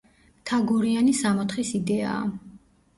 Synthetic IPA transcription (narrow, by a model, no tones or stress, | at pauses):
t̪ʰaɡuɾianisamɔt̪ʰχisid̪ɛa̰ː